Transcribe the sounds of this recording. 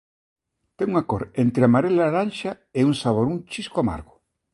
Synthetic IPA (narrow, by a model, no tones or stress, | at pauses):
t̪eŋuŋakoɾent̪ɾeamaɾelaɾanʃa | euŋsaβ̞oɾunt͡ʃiskoama̰ɾɣʊ